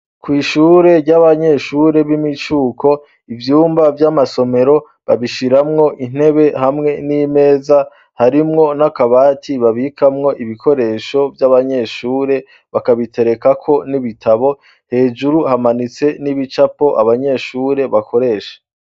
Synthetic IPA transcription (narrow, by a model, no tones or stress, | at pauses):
kwiːʃuːɾe̞ɾɟaβaɲe̞ʃuːɾe̞βimit͡ʃuːkʰo̞ | ivjuːmbavjamaso̞me̞ɾo̞ | βaβiʃiɾamŋo̞ʔin̥e̞βe̞hamŋe̞nime̞ːza | haɾimŋo̞nakaβaːtʰiβaβikʰamŋo̞ʔiβikʰo̞ɾe̞ːʃo̞vjaβaɲe̞ʃuːɾe̞ | βakaβitʰe̞ɾe̞kakʰo̞niβitʰaβo̞ | he̞ːd͡ʒuɾuhamanit͡se̞niβit͡ʃapo̞ʔa̰βaɲe̞ʃuːɾe̞βakʰo̞ɾe̞ːʃḁ